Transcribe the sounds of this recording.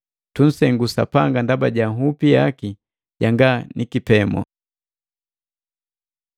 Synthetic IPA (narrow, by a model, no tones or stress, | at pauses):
tun̩sɛŋɡusa̰paŋɡandabaɟaɦupijaki | ɟaŋɡanʔikipɛmɔ̰